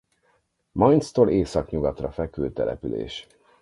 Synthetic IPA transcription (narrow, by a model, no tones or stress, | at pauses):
mɒjnst̪oleːsɒkɲuɡɒt̪rɒfɛkylt̪ɛlɛ̰pylḛːʃ